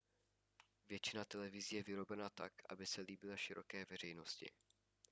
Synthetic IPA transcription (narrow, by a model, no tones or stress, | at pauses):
vjɛt͡ʃɪnat̪ɛlɛvɪziːjɛvɪɾo̞bɛnat̪a̰kʔa̰bɪsɛliːbɪlaʃɪɾo̞kɛːvɛr̝ɛjno̞scɪ̰